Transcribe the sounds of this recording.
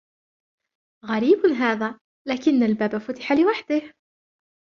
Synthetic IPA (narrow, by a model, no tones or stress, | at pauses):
ɣaɾiːbnɦaːðaː | laːkɪnːalbaːbafʊt̪ɪ̥ħalɪwaħd̪ɪh